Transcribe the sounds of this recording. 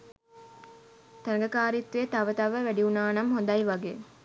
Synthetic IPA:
t̪ɐnɡɐkaːɾit̪ːuet̪ɐʋət̪ɐʋəʋæɖiunaːnɐmɦond̪ɐjʋɐɡeː

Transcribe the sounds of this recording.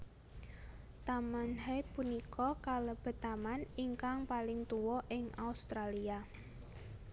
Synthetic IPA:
t̪amanhapunikɔkaləb̥ə̤t̪amaniŋkaŋpalɪŋt̪uwɔʔɪŋʔaust̪ɾalia

